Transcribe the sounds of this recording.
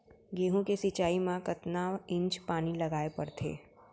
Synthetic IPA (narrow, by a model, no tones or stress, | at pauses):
ɡeːɦũkesɪt͡ʃaːimãkɐt̪naːʋɪ̃ɲt͡ʃpaːnilɐɡaːepɐɾt̪ʰḛː